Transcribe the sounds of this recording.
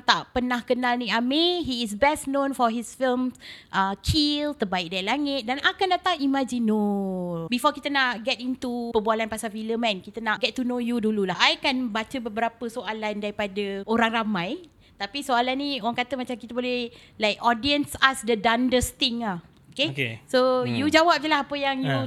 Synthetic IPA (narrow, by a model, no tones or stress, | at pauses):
t̪aʔpənahkənalnĩameɦiːsbɛsnõnfɔɦisfilmsʔəkʰilt̪əbaɪk̚dailaŋɪt̪̚danakandat̪ãŋimãd͡ʒinobifɔkit̪ənaʔɡɛt̚int̪upəbualanpasafiləmãnkit̪ənaʔɡɛt̚tːunojudululaajkanbat͡ʃəbəbəɾapəsoʔalandaɾipadəoɾaŋramãj | t̪apisoalanĩoaŋkat̪əmat͡ʃamkit̪əbolɛhlajkɔdiənsasdədandəst̪ĩŋa | okekesojud͡ʒawap̚t̪əlahapəjaŋju